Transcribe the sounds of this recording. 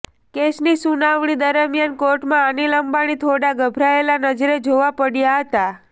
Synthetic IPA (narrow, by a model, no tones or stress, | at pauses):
kesnisunaʋɳ̃id̪əɾəmjankoɾʈmãːniləmbaɽ̃it̪ʰoɽaɡʱəbʱɾaelanəd͡ʒɾed͡ʒoʋapəɽjaɦət̪a